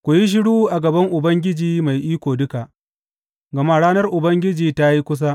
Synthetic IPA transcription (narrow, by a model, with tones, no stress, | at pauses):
kʷʊ˨ji˦ʃ̬ɪ˦ɽuː˦ʔa˨ɡɐ˨bɐ˦ŋʔʊ˨bɐ˦ŋɡʲɪ˦d͡ʒiː˨ma˨jʔiː˦kʷoː˨dʊ˦ka˨ʔ | ɡɐ˨ma˦ɽaː˦nɐ˦rʔʊ˨bɐ˦ŋɡʲɪ˦d͡ʒiː˨ta˦ji˦kʷʊ˦s̬a˦ʔ